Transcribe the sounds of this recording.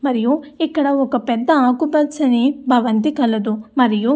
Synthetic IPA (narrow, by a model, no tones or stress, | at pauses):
mɐɾijoikːɐɽɐokːɐpɛd̪ːɐaːkubɐd̪sɐnebʱɐʋɐnt̪ikɐlːɐd̪umɐɾijo